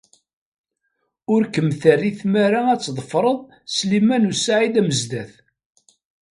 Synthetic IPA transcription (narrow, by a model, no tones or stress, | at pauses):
ʊɾkəmθærːiθmæɾaæt͡sːðˤəfɾˤəðˤ | slimænusʕid̪æməzd̪æθ